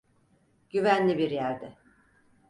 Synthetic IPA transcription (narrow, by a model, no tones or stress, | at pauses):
ɟ̥yvænlʲibiɾjæɾd̪ɪ